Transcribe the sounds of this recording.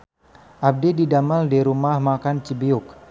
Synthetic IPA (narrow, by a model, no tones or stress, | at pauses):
ʔab̚dididamaldiɾumahmakant͡ʃibiʊk̚